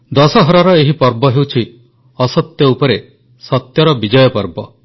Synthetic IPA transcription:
d̪ɔsɔɦɔɾaɾɔeɦipɔɾbɔɦewt͡ʃʰi | ɔsɔt̪jɔupɔɾe | sɔt̪jɔɾɔbid͡ʒɔjɔpɔɾbɔ

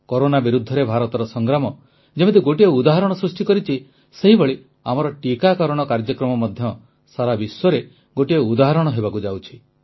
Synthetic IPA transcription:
kɔɾonabiɾud̪ʱːɔɾebʱaɾɔt̪ɔɾɔsɔŋɡɾamɔ | d͡ʒemet̪̬uɡoʈieud̪aɦɔɾɔɽ̃ɔsɾusʈikɔɾit͡ʃʰi | seɦibɔɭi | amɔɾɔʈikakɔɾɔɽ̃ɔkaɾd͡ʒɔkɾɔmɔmɔd̪ʱjɔ | saɾabiswɔɾe | ɡoʈieud̪aɦɔɾɔɽ̃ɔɦebakud͡ʒawt͡ʃʰi̥

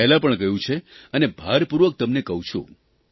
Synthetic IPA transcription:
ɛɦlapəɳkəjũt͡ʃʰeənebʱaɾpuɾʋək̚t̪əmnekəɦũt͡ʃʰṵ̃

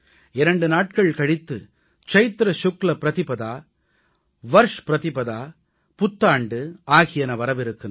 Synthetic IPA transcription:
ɪɾɐɳɖɯnaːʈ̚kɐɭkɐɽɪt̪ːɯ | t͡ʃɐɪt̪ɾɐʃʊklɐpɪɾɐðɪpɐðaː | ʋɐɾʂpɪɾɐðɪpɐðaː | pʊt̪ːaːɳɖɯaːɣɪjɐnɐʋɐɾɐʋɪɾɯkːɯ

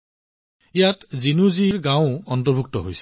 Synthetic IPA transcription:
jat̪zinuziɹɡãw̃ɔnt̪ɔɹbʱuk̚t̪ɔɦojs

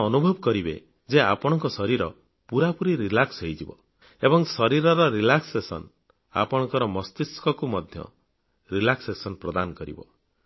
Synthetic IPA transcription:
ɔnubʱɔbɔkɔɾibḛ | d͡ʒeapɔɽ̃ɔŋkɔsɔɾiɾɔ | puɾapuɾiɾilaksɦejd͡ʒibɔ̰ | ebɔŋsɔɾiɾɔɾɔɾilaksesɔ̰n | a̰pɔɽ̃ɔŋkɔɾɔmɔst̪iskɔkumɔd̪ʱjɔ̰ | ɾilaksesɔnpɾɔd̪anɔkɔɾḭbɔ̰

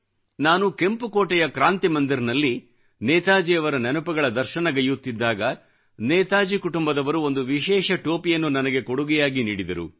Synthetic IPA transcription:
naːnuke̞mpukoːʈɛjɐkɾaːnt̪imɐnd̪iɾnɐlːi | nɛːt̪aːd͡ʒijɐʋɐɾɐnɐnupɐɡɐɭɐd̪ɐɾʃɐnɐɡɐjut̪ːid̪ːaːɡɐ | nɛːt̪aːd͡ʒikuʈumbɐd̪ɐʋɐɾuo̞nd̪uʋiʃɛːʃɐʈo̞ːpijɐnːunɐnɐɡe̞koɽuɡɛjaːɡiniːɽid̪ɐɾṵ

